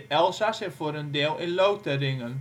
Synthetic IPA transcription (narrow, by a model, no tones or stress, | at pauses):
ɛlˠsasɪfoɾəndeːlˠɪnlowtərɪŋən